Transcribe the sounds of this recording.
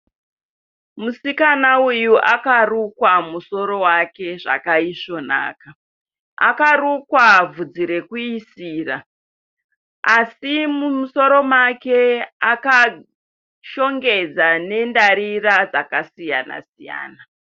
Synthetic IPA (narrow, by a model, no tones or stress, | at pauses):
musikanaujuʔakarukwamuso̞ɾo̞wake̞ʐa̰kaiʂo̞na̰ːka | a̰karukwavud͡ziɾe̞kuisiːra | asimumuso̞ɾo̞make̞aka | ʃo̞ŋɡe̞d͡zane̞ndaɾirad͡zakasijana̰sija̰ːna